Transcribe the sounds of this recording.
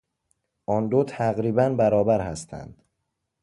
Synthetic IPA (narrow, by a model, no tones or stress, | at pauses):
ʔɒnd̪ot̪ʰæɣɾiːbænbæɾɒːbæɾhæst̪ʰæ̰nd̪̥